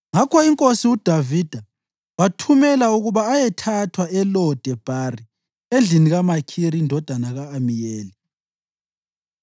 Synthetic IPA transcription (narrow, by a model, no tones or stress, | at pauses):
ŋakʰɔiŋkʼosiud̥ʱavid̥ʱa | watʰumɛlauɣuβaːjɛtʰatʰwaɛlɔd̥ʱɛb̥ʱari | end͡ɮʱiniɣamakʰiɾindʱɔd̥ʱanaɣaːmijeːli